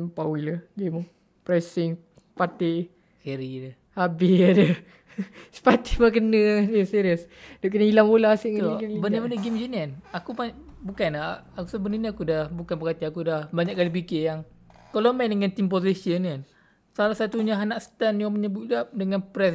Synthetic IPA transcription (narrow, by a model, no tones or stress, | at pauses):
pawiləɡem | pɾɛsɪŋ | pat̪iʔ | keɾidə | habɪadə | sə̥pat̪ihmak̬ənə̃əsiɾiəsdoʔkənəilaŋpolasiʔŋəoɡimibənəbənəɡimd͡ʒinanakupabukanaakusəbənəniakudahbukanpəkat̪iakudahbaɲaʔkalip̬ikejaŋkolomandəŋant̪imposisiənkan | salahsat̪uɲaɦanaʔst̪anjoməɲəbuʔdadəŋanpɾɛs